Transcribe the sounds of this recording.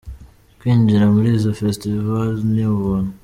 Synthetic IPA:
kwiːɲd͡ʒiɾamuɾiːzo̞festivalzniβunu

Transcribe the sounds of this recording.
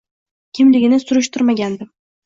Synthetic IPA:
kʲʰɪmlɪɡʲɪnɪsʊɾʊʃt̪ʊɾmaɡʲand̪ɪm

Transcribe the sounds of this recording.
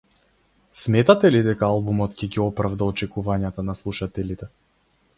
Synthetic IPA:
smɛt̪at̪ɛlid̪ɛkaalˠbumɔt̪cɛɡiɔpɾavd̪aɔt͡ʃɛkuvaɲat̪anaslˠuʃat̪ɛlit̪ɛ

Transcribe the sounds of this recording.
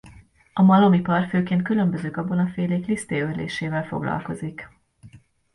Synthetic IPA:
ɒmɒlo̞mipɒrføːkeːnt̪kylø̞mbø̞zøːkɒbonɒfeːleːklist̪eːørlḛːʃeːvɛlfo̞̰ɡlɒ̰lko̞zik

